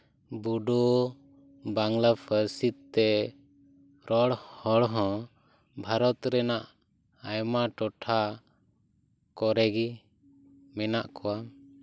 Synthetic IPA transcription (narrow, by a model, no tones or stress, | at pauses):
buɖɔ | baŋlapʰəɾsit̪t̪ːɛ | ɾɔɽhɔɽɦɔ̃ | bʱaɾɔt̪ɾɛnaʔ | ajmaʈɔʈʰa | kɔɾɛɡi | mɛnaʔkɔwa